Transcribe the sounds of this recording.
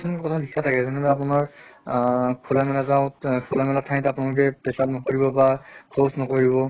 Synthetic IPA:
sʰɔnmkɔtʰabʱikʰːatʰakɛzɔnɛbɛap̬ʊnaɹ | kʰulamɛlazaʊ̃tkʰulamɛlatʰːãj̃tɛapʊnalʊk̬ɛpɛsap̚nɔkoɹibɔbakʰosnɔkoɹibɔ

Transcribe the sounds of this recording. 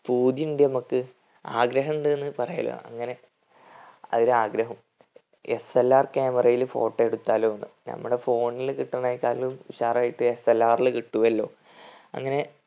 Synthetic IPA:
puːd̪jiuɳɖinɐmukːɨ | aːɡɾɐɦɐɳɖɨenːɨpɐrɐja̰lo̰ɐ̰ŋːɐne̞ | ɐ̰ðiɾaːɡɾɐɦɐm | eselːaːrkeːmɐrɐjilfo̞̰ːʈːɐeɽut̪ːaːloonːɨ̰nɐ̰mːuɽe̞fo̞ːɳːilkiʈːɐɳaːjikːaːllumʋiɕaːraːjiʈːɨe̞selːaːrilkiʈːuʋɐlːo̞̰ː | ɐ̰ŋːɐne̞

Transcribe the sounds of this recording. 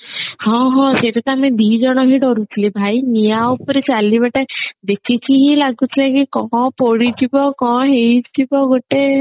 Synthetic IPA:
hɔ̃ɦɔ̃seʈet̪ɔamed̪id͡ʒɔɽ̃ɔɦiʈɔɾut͡ʃʰilibʱajnijaupɔɾet͡ʃalibaʈad̪ekʰit͡ʃʰiɦilaɡut͡ʃʰilekikɔ̃poɽit͡ʃʰibɔkɔ̃ɦeit͡ʃʰibɔɡoʈe

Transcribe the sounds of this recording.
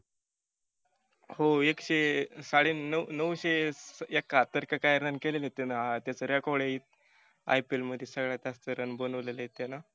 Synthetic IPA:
hoekɕesaɽinənəʋɕeekːat̪əɾkəkajəɾənkeleljet̪enaat̪jat͡səɾjakoɽeit̪̚ | a̰jpilməd̪ʱjesəɡɭat̪ast̪əɾənbonəʋleləjet̪ena

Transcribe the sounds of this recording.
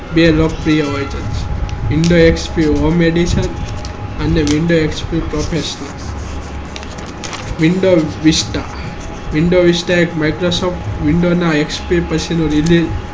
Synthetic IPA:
belok̚pɾijəojd͡ʒənt͡ʃʋiɳɖoekspiomeɖisən | əneʋiɳɖoekspipɾɔpʰesnəl | ʋiɳɖoʋisʈa | ʋiɳɖoʋisʈaekmajkɾosopʈʋiɳɖonaekspipət͡ʃʰinuɾiliz

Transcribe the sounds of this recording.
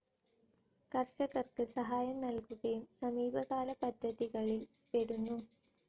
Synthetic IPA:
kɐrʂɐɣɐrkɨsɐɦaːjɐmnɐlkuɣɐjumsɐmiːbɐɣaːlɐpɐd̪ʱːɐðiɣɐɭil | peɽunːu

